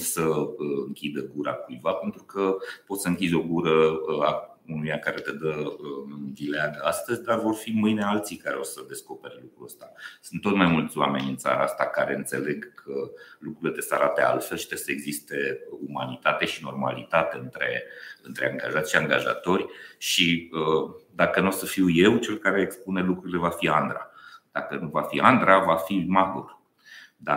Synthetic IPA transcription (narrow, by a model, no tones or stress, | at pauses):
səɨŋkʲid̪əɡuɾakujvape̞nt̪ɾukəpo̞t̪səɨŋkʲizʲo̞ɡuɾəa | unujakaɾe̞t̪ed̪əɨnvileaɡəast̪əzʲd̪arvo̞rfimɨjnealt̪sijkaɾeosəd̪e̞sko̞pe̞rʲlukɾuəst̪asɨnt̪ːo̞t̪majmult̪sʲwa̰me̞nʲɨnt̪sa̰ɾaast̪akaɾe̞ɨnt̪se̞le̞ɡkʰəlukɾuiled̪esəa̰ɾat̪ea̰lfe̞lʃi̥t̪esəe̞ɡzist̪e̞uma̰nit̪at̪e̞ʃino̞rma̰lit̪at̪eɨnt̪ɾe̞̰ɨnt̪ɾeaŋɡaʒat̪sʲʃiaŋɡaʒa̰t̪o̞rʲʃiəd̪akənuosəfiwje̞wt͡ʃe̞lkaɾe̞ːkspunelukɾuɾile̞vafiand̪ɾa̰d̪̥akənuvafiand̪ɾavafimakur | d̪a